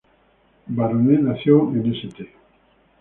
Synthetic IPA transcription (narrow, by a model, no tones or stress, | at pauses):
baɾonenaθjoeneset̪e